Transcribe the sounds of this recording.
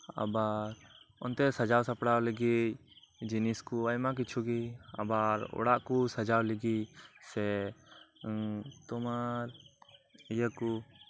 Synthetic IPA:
a̰baɾɔnt̪ɛsad͡ʒawsapɽawlɛɡic̚d͡ʒiniskuajmak̬it͡ʃʰuɡia̰baɾɔ̰ɽaʔkusad͡ʒawlɛɡic̚sɛ | t̪ɔmaɾ | ijaku

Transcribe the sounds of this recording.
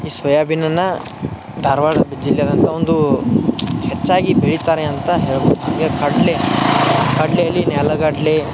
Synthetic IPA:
iːsʋɐjaːbinɐnːɐ | d̪ʱɐɾʋaːɽɐbid͡ʒilːjɐd̪ɐnt̪ɐond̪u | het͡ʃːaːɡibeɭit̪aːɾeɐnt̪ɐɦeːɭibod̪uɦaːɡekʰɐɖle | kɐɖleɐlːinɛːlɐɡaɖle

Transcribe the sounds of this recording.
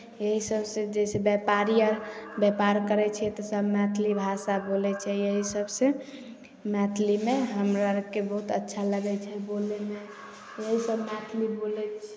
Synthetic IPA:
jəɦisəbsed͡ʒɛsebɛpaɾiaɾbɛpaɾkəɾɛt͡ʃʰɛt̪ɔsəbmɛt̪ʰlibʱasabolɛt͡ʃʰɛjəɦisəbse | mɛt̪ʰlimeɦəmɾaɾkebəɦut̪ətːʃʰaləɡɛt͡ʃʰɛboleme | jəɦisəbmɛt̪ʰlibolɛt͡ʃʰ

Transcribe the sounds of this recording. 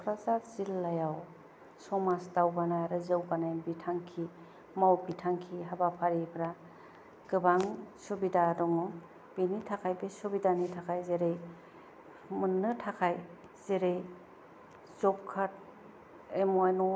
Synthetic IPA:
kʰɾazaz̥ilːajaw | sɔmasdawbanajɾɯzɯwɡanajbitʰaŋkʰi | mawbitʰaŋkʰiɦabapʰaɾipʰɾa | ɡ̥ɯbaŋsubidadɔŋɔ | b̥enitʰakʰajbesubidanitʰakʰajzeɾej | mɯnːɯtʰakʰaj | z̥eɾej | zɔp̚kʰat̚ | emɔjnɔ

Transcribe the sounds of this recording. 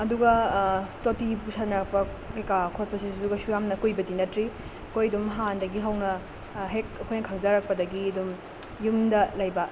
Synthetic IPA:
ɐduɡɐtotibusanɐk̚pɐ | kejkakʰot̚pɐsisduɡɐsujamnɐkujbɐdinɐtɾi | ɐkʰojɐdumɦandɐɡiɦɐwnɐ | ɦek̚ɐkʰojnɐkʰɐŋzɐɾɐk̚pɐdɐɡiɐdum | jumdɐlɐjbɐ

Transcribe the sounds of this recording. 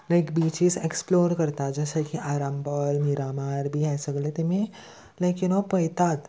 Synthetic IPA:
lajkbit͡ʃiːseksploɾkəɾt̪ad͡ʒəsakiʔaɾambəlmiɾamaɾbʱiːɦɛsəɡlet̪emĩ | lakjunopəjt̪at̪

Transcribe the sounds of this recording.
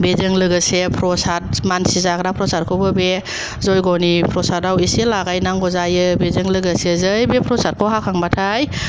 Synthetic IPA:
bezɯŋlɯɡɯsepʰɾɔsat̚mansizakɾapʰɾɔsaɾ̚kʰɯwbɯbe | zɔjɡɔnipʰɾɔsatawiselaɡajnaŋɡɔzajɯbezɯŋlɯɡəsezɯjbepʰɾɔsat̚kʰɔwɦakʰaŋbatʰaj

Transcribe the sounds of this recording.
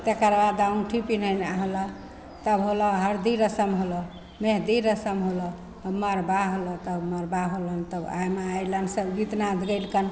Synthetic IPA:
t̪ekəɾbad̪aunʈʰipinənaɦlə | t̪əbɦolɔɦəɾd̪iɾəsəmɦolɔ | meɦd̪iɾəsəmɦolɔ | əməɾbaɦolɔt̪əbməɾbaɦolənt̪əba̰jmeajlənsəbɡit̪nad̪ʱɡəjlkən

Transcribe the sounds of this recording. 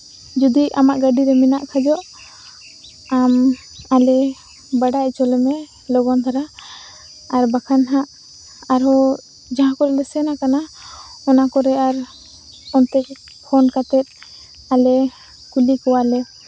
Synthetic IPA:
d͡ʒud̪iamaʔɡaɖiɾɛmɛnaʔkʰad͡ʒɔʔ | am | alɛ | baɖaʔt͡ʃɔlɛmɛ | lɔɡɔnt̪ʰaɾa | aɾbakʰanɦãʔ | aɾɔ | d͡ʒaɦãkɔɾɛlɛsɛnakanaɔnakɔɾɛaɾ | ɔnt̪ɛʔ̚ | pʰɔnkat̪ɛt̪̚ | alɛ | kulikɔwalɛ

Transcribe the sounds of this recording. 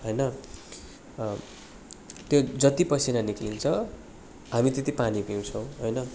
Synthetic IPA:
ɦʌjnʌ | t̪jod͡zʌt̪ipʌsʰinaniklint͡sʰʌ | ɦamit̪et̪ipanipiw̃t͡sʰʌw̃ɦojnʌ

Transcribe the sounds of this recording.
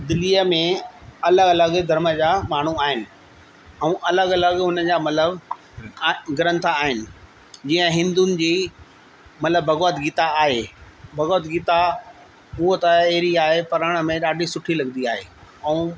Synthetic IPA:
d̪ɪliəmẽɐləɡɐləɡd̪ʱɐɾməd͡ʑaːmaːɳ̤uaːɦɪnɪ̆ | ɛ̃ũʔɐləɡɐləɡʊnəd͡ʑaːmɐt̪ləb | ɡɐɾə̃nt̪ʰaːɦɪnɪ̆ | d͡ʑiːə̃ɦɪ̃nd̪unɪ̆d͡ʑiː | mɐt̪ləbbʱɐɣɔət̪ɡiːt̪aːɦe | bʱɐɣoːət̪ɡiːt̪a | ʊɦot̪ɐeːɾiaːɦepɐɾəɽ̃ə̆mẽɗaːɖʱisʊʈʰilɐɡənd̪iaːɦeːɛ̃ũ

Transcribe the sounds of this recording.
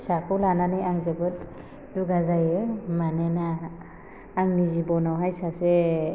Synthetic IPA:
sakʰulananijaŋzebɯt | duɡazajɯmanenaː | ŋnizibɔnawɦajsase

